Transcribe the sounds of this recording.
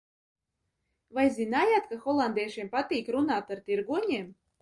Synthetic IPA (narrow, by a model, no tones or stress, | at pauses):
vajzʲinaːjat̪kaxɔlˠand̪ɛjʃiɛmpat̪iːkɾunaːt̪aɾt̪iɾɡuɔɲʲiɛm